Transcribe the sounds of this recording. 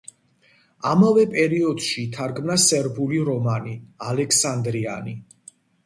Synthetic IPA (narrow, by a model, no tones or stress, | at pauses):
amavɛpʼɛɾiɔd̪̥ʃiːt̪ʰaɾɡmnasɛɾbuliɾɔmanialɛkʰsand̪ɾia̰ni